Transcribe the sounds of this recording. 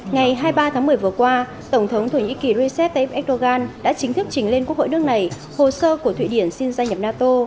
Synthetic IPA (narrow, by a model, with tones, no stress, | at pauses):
ŋa˨˩jɦaː˧jɓaː˧t̪ʰaː˨˦mɨ˨˩əjvɨ˨˩əkwaː˧ | t̪ə˧˩wŋ͡mt̪ʰə˨˦wŋ͡mt̪ʰo˧˩ɲḭ˧˥ki˨˩ɾi˧sɛ˦˥p̚t̪ːp̚ʔɛ˦˥k̚ɗo˧ɣaː˧nɗa̰ː˧˥t͡ɕï˨˦ŋ̟t̪ʰɨ˦˥k̚t͡ɕï˨˦ŋ̟le˧nku˦˥kho̰˧˨nɨ˦˥ək̚na˨˩j | ho˨˩skəː˧ku˧˩əḭ˧˨ɗi˧˩ənsi˧nzaː˧jɲə˨˩p̚naː˧t̪o˧